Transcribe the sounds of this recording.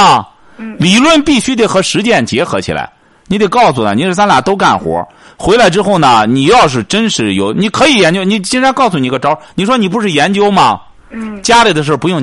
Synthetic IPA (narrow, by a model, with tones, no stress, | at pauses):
li˨˩lwə˥˧npi˥˩ɕy˥t̪̬e˥˩ɪxɤ˧˥ʂɻ̩˧˥t͡ɕjɛ˥˩nt͡ɕjɛ˧˥xɤ̰˧˥t͡ɕʰḭ˨˩la̰˧˥ɪ | ni˨˧˥t̪e˧˩ɪkɑ˥˩ʊsu˨˩nə̰˩ni˨˧˩s̬a˥nla˨˩t̪o˥ʊka̰˥˩nxwɔ̰˧˥ | xwe˧˥ɪla˧˥ɪʈ͡ʂɻ̩˥xo˥˩ʊnə˩ni˨˩jɑ˥˧ʊʂ̬ɻ̩˥˩ʈ͡ʂə˥nʂɻ̩˧˥jo̰˧˩ʊni˨˩kʰɤ˧˥i˨˧˩jɛ˧˥nt͡ɕjo˥ni˧˩t͡ɕi˥nʈ͡ʂʰa˧˥nkɑ˥˩ʊsu˧ni˨˩˧ɡə˧ʈ͡ʂɑ˥ʊni˨˩ʂwɔ˥ni˨˩p̬u˧˥ʂɻ̩˥˩jɛ˧˥nt͡ɕjo˥ʊmɐ̰˨ | t͡ɕja˥li˨˩d̪əʂ̬ə˥˩pu˧˥jʊ˥˩ŋ